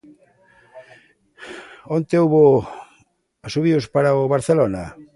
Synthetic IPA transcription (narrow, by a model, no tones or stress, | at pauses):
ont̪euβo | asuβiospaɾaoβaɾθelona